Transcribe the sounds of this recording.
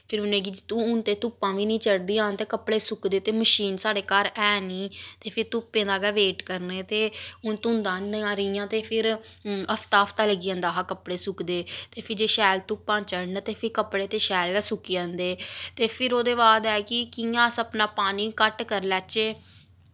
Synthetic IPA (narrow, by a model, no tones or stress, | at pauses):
pʰɪɾʊnẽːɡid͡ʒt̪ũːʊnt̪eːt̪ʊpːãːʋiːnĩːt͡ʃəɽd̪iːãːt̪eːkəpɽeːsʊkd̪eːt̪eːməʃiːnsaːɽeːkaːɾɛːniːt̪eːpʰɪɾt̪ʊpːẽːd̪aːɡɛːʋeːʈkəɾneːt̪eːʊnt̪ʊnd̪ãːnãːɾəijãːt̪eːpʰɪɾəft̪aːəft̪aːləɡiːə̃ːnd̪aːɦaːkəpɽeːsʊkd̪eːt̪eːpʰɪɾd͡ʒeːʃɛːlt̪ʊpːãːt͡ʃəɽnət̪eːpʰɪɾkəpɽeːt̪eːʃɛːlɛːsʊkːiə̃nd̪eːt̪eːpʰɪɾoːd̪eːbaːd̪ɛːkɪkijãːsəpnaːpaːniːkəʈkəɾlɛːt͡ʃeː